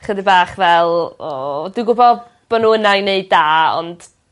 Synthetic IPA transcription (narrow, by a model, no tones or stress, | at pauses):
χədibaːχvɛlˠɔduɡʊbɔ | b̥ɔnuːənajneɨdaːɔ̰nd̥